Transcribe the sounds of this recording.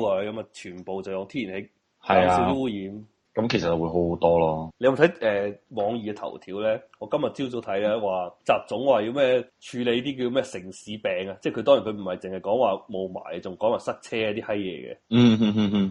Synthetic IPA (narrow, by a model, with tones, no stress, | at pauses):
lɔː˨˧jkɐ˨˦˥mɐ˨t͡ʃʰyː˨˩npo˨wt͡sɐ˨wjʊ˨˧ŋt̪ʰiː˥i˨˩nhe˨˦˥ | hɐ˨jasi˨˥t̪i˥wu˥jiː˨˥m | kɐ˨˦mkʰe˨˩sɐ˨t̚ːɐ˨˩wuː˨˧jɦo˨˥˧t̪ɔː˥lɔː˥le˧jɐ˧˨˩t̪ʰjʔɛː˨mɔː˨˧ŋjiː˨kɛ˧t̪ʰɐ̰˨˩wt̪ʰiː˨˥wlɛː˥ŋɔː˨˧kɐ˥mjɐ˨t̚t͡si˥wt͡so˧˥t̪ʰɐ˨˥ja˧waː˨t͡saː˨p̚t͡sʊ˨˥ŋwaː˨˧ji˧wmɛː˥t͡ʃʰyː˨˧le˨˧jt̪iː˥k̬iː˧jo˧mɛː˥sɪ˨˩ŋsiː˨˦pɛː˨ŋa˧t͡sɛː˥˩kʰɵ˧t̪ɔː˥ŋi˨˩nkʰːm̩˨˩hɐ˨jt͡sɪ˨ŋhɐ˨jkɔː˨˥ŋwaː˨˩mo˨wma̰ː˨˩jt͡sʊ˨ŋkɔː˨˥ŋwaː˨˩sɐ˥k̚t͡sʰɛː˥aː˧˦t̪iː˥hɐ˥jjɛ̰ː˨˧kɛ̰˧m̩ː˥˩h̩˥h̩˥